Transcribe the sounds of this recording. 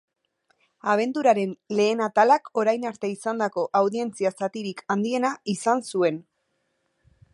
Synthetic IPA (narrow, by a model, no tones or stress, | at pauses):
aβ̞e̞nt̪uɾaɾe̞nle̞ːnat̪alako̞ɾajnaɾt̪e̞isand̪ako̞ʔawðie̞nt͡siasat̪iɾikand̪ie̞naisansue̞n